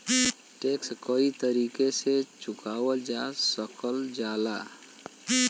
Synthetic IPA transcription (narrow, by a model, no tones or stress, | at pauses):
ʈekskəit̪əɾiːkeset͡ʃʊkaːwəld͡ʒasəkʰəld͡ʒala